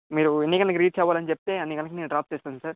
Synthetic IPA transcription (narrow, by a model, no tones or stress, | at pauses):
miːɾuenːikɐlnɐkiɾiːʈ̚t͡ʃɛːʋaːlɐnit͡ʃep̚t̪e̞ːɐnːikɐlnɐkineːnuɖɾaːp̚t͡ʃeːst̪aːnd̪usaːɾ